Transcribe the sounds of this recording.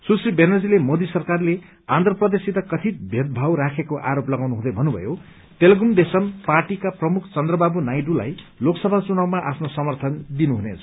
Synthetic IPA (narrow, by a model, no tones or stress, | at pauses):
susribenʌd͡zilemod̪isʌrkarle | ãnd̪rʌprʌd̪esiɾʌkʌt̪ʰit̪̚bʱet̪̚bʱawɾakʰekoʔaɾoplʌɡawnuɦũd̪ʌjbʱʌnːubʱʌ̰jo | t̪eleɡumd̪esʌmparʈikaprʌmukʰt͡sʌnd̪rʌbabunajɖula̰jloksʌbʱat͡sunawmaʔapʰnosʌmʌrt̪ʰʌnd̪inuɦunḛt͡sʰ